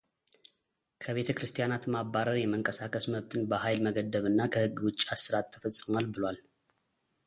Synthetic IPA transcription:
kʰəβe̞t̪ʰəkɾɨst̪ʰijanat̪maβaɾəɾjɛməŋkʼəsakʰəsməβt̪ʰɨnbəhajlməɡəd̪ːəβɨnːakʰəhɨɡːwʊt͡ʃʼːiasɨɾatt̪ʰːə̥fəsʼːəmalbɨlwal

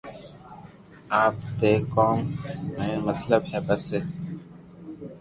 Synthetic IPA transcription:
aːp̚t̪eːkoːmːẽːmət̪ləbɦɛːpəɾseː

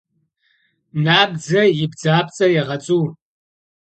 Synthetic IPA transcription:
naːbd͡zɐjɪbd͡zaːp̚t͡sʼɐjɛʁɐt͡sʼuːr

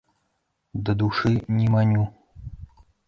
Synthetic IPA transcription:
d̪ɐd̪uʂɨnʲimanʲu

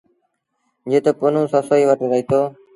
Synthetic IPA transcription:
d͡ʒeːt̪oːpoːnũːsəːsoːiːʋəʈːɾəɦiːt̪oː

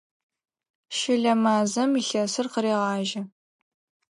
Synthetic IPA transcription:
ʃɪɮɐmaːzɐmiɬɐsɨrqəɾiːʁɑːʒɐ

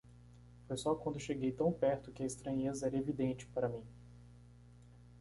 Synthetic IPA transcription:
fojsɔkwɐ̃nd̪ʊʃeɡejt̪ɐ̃w̃pɛɾt̪ʊkɪɐist̪ɾɐ̃ɲezɐɛɾɐevid̪ẽnt͡ʃɪ̥paɾɐmĩ

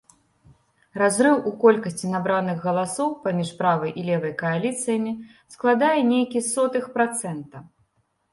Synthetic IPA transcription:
ɾazɾɨwukɔlʲkɐsʲt͡sʲinabɾanɨɣɣɐlˠasɔwpamʲiʂpɾavɐjʔilʲɛvɐjkɐalʲit̪sɨjɐmʲi | sklˠad̪ajɛnʲejkʲisɔt̪ɨxpɾat̪sɛnt̪ɐ

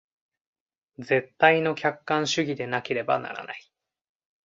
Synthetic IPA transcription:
d͡ze̞t̪ːaino̞kʲakːãɰ̃ɕɨɡʲid̪e̞nake̞ɾe̞ba̰na̰ɾa̰nai

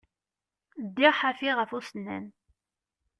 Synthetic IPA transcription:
d̪ːiʁħafiʁəfusənːæ̰n

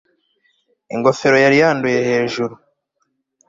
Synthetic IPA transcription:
iŋɡo̞fe̞ɾo̞jaɾijaːnduje̞he̞ːʒuɾu

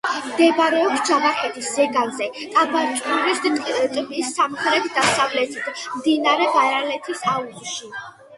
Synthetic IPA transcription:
md̪ɛbɾɛɔpsd͡ʒavaχɛt̪ʰiszɛɡanzɛkʼabaɾt͡ʃʼuɾist̪ʼbisːamχɾɛt̪ʰd̪asavlɛt̪ʰid̪md̪inaɾɛbaɾalɛt̪ʰisaut̪ʼʃi

